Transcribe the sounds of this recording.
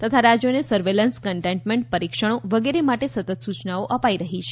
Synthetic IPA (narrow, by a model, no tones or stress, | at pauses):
t̪ət̪ʰaɾad͡ʒjonesəɾʋelənskəɳʈẽɳʈmẽɳʈ̚pəɾikʃəɽ̃oʋəɡeɾemaʈesət̪ət̪sut͡ʃnaoʔəpaiɾəɦit͡ʃʰe